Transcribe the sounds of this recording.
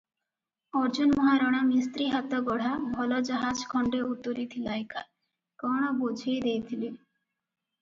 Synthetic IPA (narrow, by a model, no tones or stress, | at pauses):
ɔɾd͡ʒunmɔɦaɾɔɽ̃amist̪ɾiɦat̪ɔɡɔɽ̤abʱɔlɔd͡ʒɔɦad͡ʒkʰɔɳɖeut̪ːoɾit̪ʰilajka̰ | kɔɽ̃ɔbod͡ʒʱejd̪ejt̪ʰili